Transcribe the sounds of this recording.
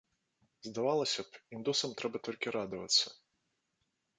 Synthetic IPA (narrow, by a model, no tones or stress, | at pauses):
zd̪avalˠɐsʲɐpind̪usɐmt̪ɾɛbɐt̪ɔlʲkʲiɾad̪ɐvɐ̰t̪sːɐ̥